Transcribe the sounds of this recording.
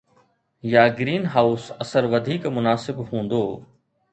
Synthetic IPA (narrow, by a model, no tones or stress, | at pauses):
jaːɡɾiːnɦaːʊsɐsəɾʋɐd̪ʱiːkmʊnaːsɪbɦũːnd̪oː